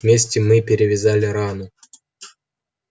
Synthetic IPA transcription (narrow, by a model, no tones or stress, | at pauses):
mʲesʲtʲɪmɨpʲɪɾʲɪvʲɪzalʲɪɾanʊ